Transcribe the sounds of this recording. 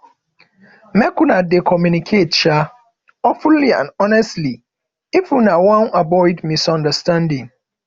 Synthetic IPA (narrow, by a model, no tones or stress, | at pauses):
mɛkunadekʰɔmjunikʰetʃa | ɔfulːiã̰nɔnɛstli | ifunawɔ̃nabɔɪdmisɔ̃ndəstãndɪ̃ŋ